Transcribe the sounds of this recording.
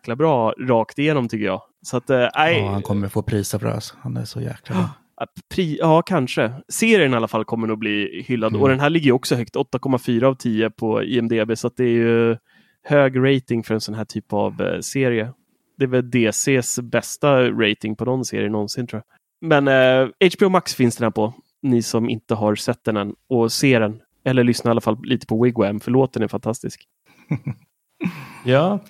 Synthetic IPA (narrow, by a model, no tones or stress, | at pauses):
klabɾɑːɾɑːkt̪ɪjeːnɔmt̪ʏkːəjɑ̰ː | sat̪ːʔæɪhankʰɔmːəɾfoːpʰɾiːsafœ̰ɾa̰shanæ̰ʂɔjæ̰ːklaː | pʰɾiːɑːkʰanʂəseːɾɪənɪalːafalkʰɔmːəɾɔbliːhʏlːad̪ɔd̪ɛnɦæːɭɪɡːəjɵɔksɔɦœkt̪ɔt̪ːakʰɔmːafyːɾaːvt̪ʰiːəpʰɔḭːɛmd̪eːbeːsat̪̚d̪ɛæɾjɵ | høːɡɾɛjt̪ɪŋfœɾɛnsɔnɦæːʈʰyːpa̰vseːɾɪə | d̪̥ɛːvɛld̪eːseːsbɛst̪aɾɛjt̪ɪŋpʰɔnɔnːsḛːɾɪ̰ənɔnsɪnt̪ʰɾʊːa | mɛnɛɪt͡ʃbeːɔmaksfɪnsd̪ɛnhæːpʰɔ | nɪsɔmɪ̰nt̪əɦaɾsɛt̪ːd̪ɛnɛnɔseːɾɛn | ɛlːəɭʏsnaɾɪalːafallʔiːt̪ə̥pʰɔwɪɡwɛmfœɭoːt̪̚d̪ɛnɛɾfant̪ʰast̪ɪsk | jɑː